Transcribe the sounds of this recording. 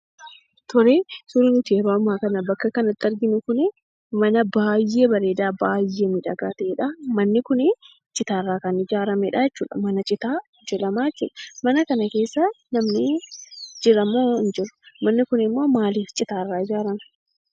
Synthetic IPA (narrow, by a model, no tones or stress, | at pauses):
t̪ɔɾeːsʊɾɪnʊt̪ɪɛɾoːɐmːaːkɐnɐbɐkːɐkɐnɐt̪ːɐɾɡɪnʊkʊnɪ | mɐnɐbaːjːe̞ːbɐɾeːd̪aːbaːjːeːmɪᶑɐɡaːt̪ɐʔeᶑaːmɐnːɪkʊnɪ | t͡ʃʼɪt̪aːrːaːkɐnɪd͡ʒaːɾɐmɛᶑaːjɛt͡ʃːṵːᶑɐmɐnɐt͡ʃʼɪt̪aː | d͡ʒɛlɐmaːjɛt͡ʃːṵːᶑɐ̥mɐnɐkɐnɐke̞ːsːaːnɐmnɪ | d͡ʒɪɾɐmːoːɪnd͡ʒɪɾʊ̥mɐnːɪkʊnɪmːo̞ːmaːlɪt͡ʃʼɪt̪aːrːaːɪd͡ʒaːɾɐmɛ̥